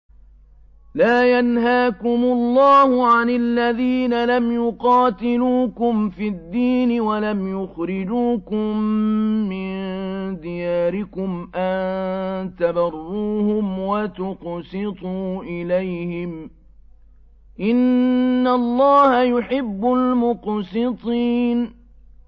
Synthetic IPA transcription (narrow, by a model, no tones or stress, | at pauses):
laːjanɦaːkʊmʊlˤːɑːhʊʕanɪlːaðiːnalamjʊqɑːt̪ɪluːkʊmfiːd̪ːiːnɪwalamjʊxɾɪd͡ʒuːkʊmː | ɪnd̪ɪjaːɾɪkʊmʔant̪abɑrˤːuːhʊmwat̪ʊqsɪt̪ˤuːʔɪlajhɪm | ʔɪnːalˤːɑːhajʊħɪbːʊlmʊqsɪt̪ˤiːn